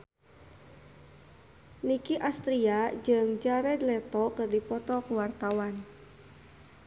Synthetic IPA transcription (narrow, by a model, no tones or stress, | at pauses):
nikiʔast̪ɾiad͡ʒɨŋd͡ʒaɾɛdlɛt̪ɔkɨrdipɔt̪ɔkuwart̪awan